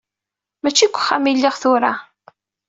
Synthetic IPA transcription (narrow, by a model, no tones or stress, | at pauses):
mæt͡ʃːikʷːχːamilːiʁθʊɾa